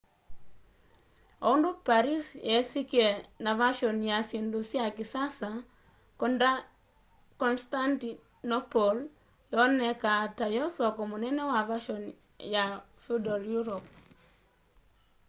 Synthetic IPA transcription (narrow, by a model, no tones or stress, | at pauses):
ɔʊndopaɾisjɛsikenavaʃɔnjasendusjakɪsasa | kɔnda | kɔnstanti | nɔpol | jɔnɛkatajɔsɔkɔmɔnɛnɛwavaʃɔn | ja | fudɔljuɾɔp